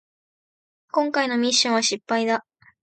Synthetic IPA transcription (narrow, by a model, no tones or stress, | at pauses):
kõ̞ŋkaino̞mʲiɕːõɰ̃βaɕipːaid̪a